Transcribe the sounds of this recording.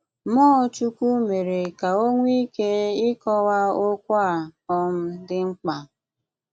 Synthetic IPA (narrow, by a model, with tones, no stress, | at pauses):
mɔː˦t͡ʃu˦ku˦me˨ɾe˨ka˨o˦ŋʷi˦ke˦ɪ˦kɔ˦wa˦o˦kʷa˦˨ɔ˦m̩˦dɪ˦ŋ͡m̩˦k͡pa˨